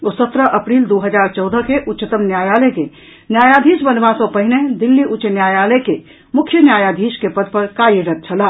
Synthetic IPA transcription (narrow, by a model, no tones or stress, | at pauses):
osət̪ɾəʔəpɾiːld̪oɦəd͡ʒaːɾt͡ʃɔʊd̪əkeʔʊtːʃət̪əmnjajaːləke | njaːjad̪ʱiːsbənʋãsɔ̃pəɦɪned̪ilːiʔʊtːt͡ʃənjaːjaːləjke | mʊkʰjənjajad̪ʱiːskepəd̪̚pəɾkajiɾət̪̚t͡ʃʰəla